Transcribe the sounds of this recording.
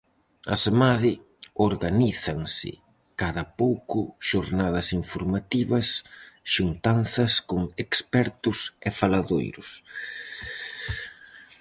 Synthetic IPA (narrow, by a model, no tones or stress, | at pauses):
ɐ̰smaðɪ | oɾɣaniθɐŋsɪ̰ | kaðɐpowkʊʃoɾnaðɐsiɱfoɾmat̪iβɐsʃunt̪anθɐskoŋekspɛɾt̪ʊsɛfalaðojɾʊs